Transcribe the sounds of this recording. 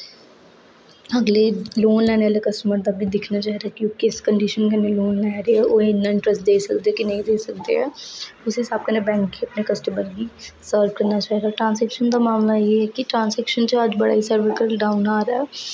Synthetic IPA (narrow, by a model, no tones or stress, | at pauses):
əɡleːloːnlɛːnɛːlekəsʈəməɾd̪aːbʱid̪ɪkʰnaːt͡ʃaːɦɾaɛkiokɪskəɳɖiːʃənkəneloːnlɛːɾeɛːʔoːɪnːaɪɳʈɾəsʈ̚d̪eːsəkd̪eɛːkɪnəɦĩd̪eːsəkd̪ḛːɛ̰ːʊsɦɪsaːb̚kənebɛ̃ːŋkːiəpnekəsʈəməɾbiːsəːɾʋkəɾnat͡ʃaːɦid̪aːʈɾãːnsɛkʃənd̪aːmaːmlajeːɦɛːkiʈɾãːnsɛːkʃənt͡ʃəd͡ʒbəɽa̰ːisəɾʋəkəɾɖaːʊnaːɾɛː